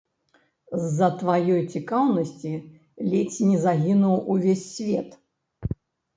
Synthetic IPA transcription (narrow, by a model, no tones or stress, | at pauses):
zːɐt̪vajɔjt͡sʲikawnɐsʲt͡sʲi | lʲet͡sʲnʲizaɣʲinuwuvʲesʲːvʲɛt̪